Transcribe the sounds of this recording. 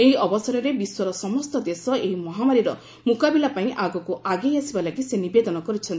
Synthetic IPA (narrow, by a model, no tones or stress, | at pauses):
eɦiɔbɔsɔɾɔɾebiswɔɾɔsɔmɔst̪ɔd̪esɔeɦimɔɦamaɾiɾɔ | mukabilapaĩʔaɡɔkuʔaɡejasibalaɡisenibed̪ɔnɔkɔɾit͡ʃʰɔnt̪i